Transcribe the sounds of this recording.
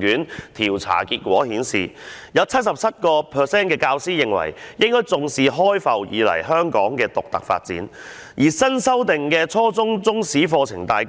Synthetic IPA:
kyː˨˥nt̪ʰiː˨˩wt͡sʰa̰ː˨˩kiː˧t̚kʷɔ̰ː˨˥hiː˨˥nsḭː˨˩jɐ˨˧wt͡sʰɐ˥t̚sɐ˨p̚t͡sʰɐ˥t̚kɔː˧pʰœː˨sɛː˥nkɛː˧kaː˧wsiː˥jɪ˨˩ŋwɐ̰˨˩jjɪ˥ŋkɔː˥jt͡sʊ˨˧ŋsiː˨ɦɔː˥jfɐ˨wjḭː˨˧lɐ̰˨˩jɦœː˥ŋkɔː˨˥ŋkɛː˧t̪ʊ˨k̚t̪ɐ̰˨k̚fa̰ː˧t̚t͡sḭː˨˥n | jʔiː˨˩sɐ˥nsɐ˥wt̪ɪ˨ŋkɛː˧t͡sʰɔː˥t͡sʊ˥ŋt͡sʊ˥ŋsiː˨˥fɔː˧t͡sʰɪ̰˨˩ŋt̪aː˨˧j

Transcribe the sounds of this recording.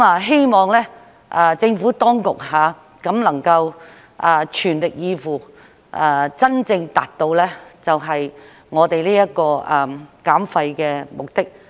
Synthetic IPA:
maː˨˧ɦe˥jmɔː˨˩ŋlɛː˥ | ʔaː˧t͡sɪ˧ŋfuː˨˥t̪ɔː˥ŋkʊ˨k̚haː˨˧ | kɐ˨˥mlɐ˨˩ŋkɐ˧w | ʔaː˨˧t͡ʃʰyː˨˩nlɪ˨k̚jiː˨˧fuː˨˩ | ʔaː˧t͡sɐ˥nt͡sɪ˧ŋt̪aː˨˩t̚t̪o˧wlɛː˥t͡sɐ˨wɦɐ˨j | ŋɔː˨˧t̪e˨jliː˥jɐ˥t̚kɔː˧ʔa˨˩kaː˨˥mfɐ˧jkɛː˧mʊ˨k̚t̪ɪ˥k̚

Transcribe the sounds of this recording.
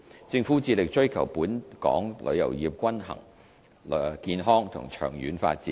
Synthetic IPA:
t͡sɪ˧ŋfuː˨˥t͡siː˧lɪ˨k̚t͡ʃɵ˥ɥkʰɐ˨˩wpuː˨˥nkɔ̰ː˨˥ŋlʔɵ̰˨˧ɥjɐ̰˨˩wjiː˨p̚kʷɐ˥nɦɐ̰˨˩ŋ | lkiː˧nɦɔː˥ŋt̪ʰʊ̰˨˩ŋt͡ʃʰœ̰ː˨˩ŋjyː˨˥nfa̰ː˧t̚t͡sḭː˨˦˥

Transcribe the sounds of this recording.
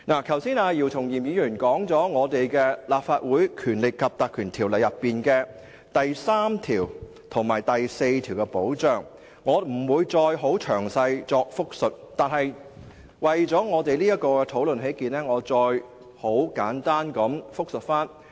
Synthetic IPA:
naː˨˩kʰɐ˨˩wsiː˥naː˧jiː˨wt̪ʰʊ˨˩ŋjiː˨˩mjiː˨˧jyː˨˩nkɔː˨˥ŋt͡sɔː˨˥ŋɔː˨˧t̪e˨jkɛː˧laː˨p̚faː˧t̚wuː˨˥jkʰyː˨˩nlɪ˨kʰːɐ˨p̚t̪aː˨kʰyː˨˩nt̪ʰiː˨˩wlɐ˨˩jɐ˨pːiː˨nkɛː˧ | t̪ɐ˨jsaː˥mt̪ʰiː˨˩w | t̪ʰʊ˨˩ŋmaː˨˩jt̪ɐ˨jse˧jt̪ʰiː˨˩wkɛ˧po˨˥wt͡sœː˨ŋː | ɔː˨˧m̩˨˩wuː˨˧jt͡sɔː˧jɦo˨˥wt͡ʃʰœː˨˩ŋsɐ˧jt͡sɔː˧k̚fʊ˥k̚sɵ˨t̚t̪aː˨nhɐ˨j | wɐ˨jt͡sɔː˨˥ŋɔː˨˧t̪e˨jliː˥jɐ˥t̚kːɔː˧kɛ˧t̪ʰo˨˥wlɵ˨nɦe˨˥jkiː˨nlɛː˥ŋɔː˨˧t͡sɔː˧j | ho˨˥wkaː˨˥nt̪aː˥nkɐ˨˧˥mfʊ˥k̚sɵ˨t̚faː˥n

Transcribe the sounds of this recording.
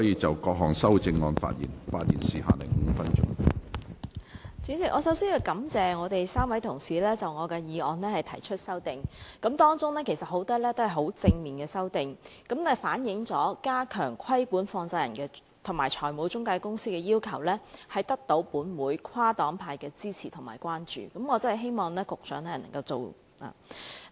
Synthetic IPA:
sɔ˨˥jiː˨˧t͡sɐ˨wkɔː˧k̚ɦɔː˨˩ŋsɐ˥wt͡sɪ˧ŋɔ̰ː˧nfa̰ː˧t̚jḭː˨˩nfaː˧t̚jiː˨˩nsiː˨ɦa̰ː˨lɪ̰˨˩ŋ̩˨˦fɐ˥nt͡ʃʊ̰˥ŋ | t͡siː˨˥sɪ˨k̚ʔɔː˨˧sɐ˨˥wsiː˥njiː˧wkɐ˨˥mt͡sɛː˨ŋɔː˨˧t̪e˨jsaː˥mwɐ˨˥jt̪ʰʊ˨˩ŋsiː˨lɛː˥t͡sɐ˨wŋɔː˨˧kɛː˧jiː˨˧ʔɔː˨˧nlɛː˥hɐ˨jt̪ʰɐ˨˩jt͡ʃʰɵ˥t̚sɐ˥wt̪ɪ˨ŋkɐ˨˥mt̪ɔː˥ŋt͡sʊ˥ŋlɛː˥kʰe˨˩jsɐ˨t̚ho˨˥wt̪ɐ˥lɛː˥t̪o˥whɐ˨jɦo˨˥wt͡sɪ˧ŋmiː˨nkɛː˧sɐ˥wt̪ɪ˨ŋkɐ˨˥mnɛ˥faː˨˥njɪ˨˥ŋt͡sɔː˨˥kaː˥kʰœː˨˩ŋkʰɐ˥jkuː˨˥nfɔː˧ŋt͡saː˧jɐ˨˩nkɛː˧ | t̪ʰʊ˨˩maː˨˩jt͡ʃʰɔː˨˩jmo˨˧wt͡ʃʊ˥ŋkaː˧kʊ˥ŋsiː˥kɛː˧jiː˥wkʰɐ˨˩wlɛː˥hɐ˨jt̪ɐ˥k̚t̪o˨˧˥wpuː˨˥nmuː˨˥jkʰwaː˥t̪ɔː˨˥ŋpʰaː˧jkɛː˧t͡siː˥t͡sʰiː˨˩t̪ʰʊ˨˩ŋma̰ː˨˩jkʷaː˥nt͡ʃy̰ː˨˩kɐ˨˥mŋɔː˨˧t͡sɐ˥nhɐ˨˩ɦe˥jmɔː˨˩ŋlɛː˥kʊ˨k̚sœː˨˥ŋnɛ˥˨˩nɐ̰˨˩ŋkɐ˧wt͡so̰˨w | la̰ː˨

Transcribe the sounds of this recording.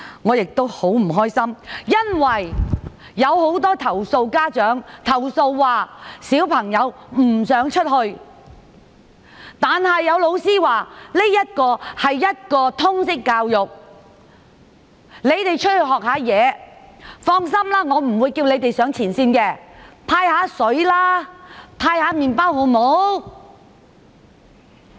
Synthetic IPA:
ŋɔː˨˧jɪ˨k̚t̪o˥who˨˥m̩˨˩ɦɔː˥jsɐ˥mjɐ˥nwɐ˨˩jː | ɐ˨˧who˨˥wt̪ɔː˥t̪ʰɐ˨˩wso˧wkaː˥t͡ʃœː˨˥ŋt̪ʰɐ˨˩wso˧wːaː˨˩siː˨˥wpʰɐ˨˩ŋjɐ˨˧wm̩˨˩sœː˨˥ŋt͡ʃʰɵ˥t̚hɵ˧ɥ | t̪aː˨˩nhɐ˨jːɐ˨˧wlo˨˧wsiː˥waː˨li˥jɐ˥t̚kɔː˧hɐ˨jːɐ˥t̚kɔː˧t̪ʰʊ˥ŋsɪ˥kːaː˧wjʊ˨k̚ | le˨˧jt̪e˨jt͡ʃʰɵ˥t̚hɵ˧ɥɦɔː˨k̚haː˨˧˥jɛː˨˧ | fɔː˥ŋs̬ɐ˥mlaː˥ŋɔː˨˧m̩˨˩wuː˨˧jkiː˧wnle˨˧jt̪e˨jsœː˨˥ŋt͡sʰiː˨˩nsiː˧nkɛː˧t̪ʰaː˧jhaː˨˥sɵ˨˥ɥlaː˥t̪ʰaː˧jhaː˨˥miː˨npaː˥who˨˥wmo˨˥w

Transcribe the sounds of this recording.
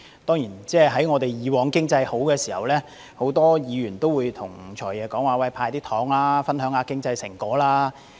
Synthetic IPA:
t̪ɔː˥ŋjiː˨˩nt͡sɛː˥˧ɦɐ˨˥jŋɔː˨˧t̪e˨jjiː˨˧wɔː˨˧ŋkɪ˥ŋt͡sɐ˧jho˨˥wkɛː˧siː˨˩hɐ˨wlɛː˥ | ho˨˥wt̪ɔː˥jiː˨˧ɥyː˨˩nt̪o˥wuː˨˧jt̪ʰʊ˨˩ŋt͡ʃʰɔː˨˩jɛː˨˧kɔː˨˥ŋwaː˨wɐ˧˩jpʰaː˧jt̪iː˥t̪ʰɔː˨˥ŋlaː˥fɐ˥nɦœː˨˥ŋaː˨˧kɪ˥ŋt͡sɐ˧jsɪ˨˩ŋkɔː˨˥laː˥

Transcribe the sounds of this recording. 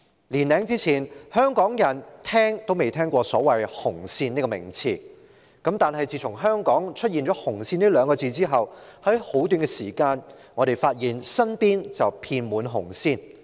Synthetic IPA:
liː˨˩nlɛː˨˥ŋt͡siː˥t͡sʰiː˨˩nhœː˥ŋkɔː˨˥ŋjɐ˨˩nt̪ʰɛː˥ŋt̪o˥wme˨jt̪ʰɛː˥ŋkʷɔː˧sɔ̰ː˨˥wɐ˨jhʊ˨˩ŋsiː˧niː˥kɔ˧mɪ̰˨˩ŋt͡sʰiː˨˩ | kɐ˨˥mt̪aː˨nɦɐ˨jt͡siː˨˧t͡sʰʊ˨˩ŋɦœː˥ŋkɔː˨˥ŋt͡ʃʰɵ˥t̚jiː˨nt͡ʃɔː˨˥hʊ˨˩ŋsiː˧niː˥lœː˨˧ŋkɔ˧t͡siː˧t͡siː˥ɦɐ˨whɐ˨˥jho˨˥wt̪yː˧nɡɛ˧siː˨˩kaː˧n | ŋɔ˨˧ɾe˨˩jfaː˧t̚jiː˨nsɐ˥npiː˥nt͡sɐ˨wpʰiː˧nmuː˨˧nɦʊ̰˨˩ŋsiː˧n

